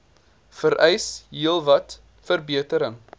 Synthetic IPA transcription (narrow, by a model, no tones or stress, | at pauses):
fəɾʔɛjsɦiəlˠvɐt | fərbiətəɾəŋ